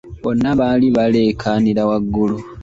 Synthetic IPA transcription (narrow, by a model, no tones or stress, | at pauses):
βonːaβaliβale̞ːkʰaniɾawaɡːulu